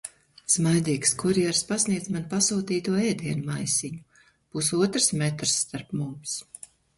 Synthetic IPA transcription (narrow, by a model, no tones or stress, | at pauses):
smajd̪iːkskɔɾijɛɾspasniɛd̪zmanpasuːt̪iːt̪uɔɛːd̪iɛnumajsʲiɲu | b̥usuɔt̪ɾsmɛt̪ɾsːt̪aɾpmums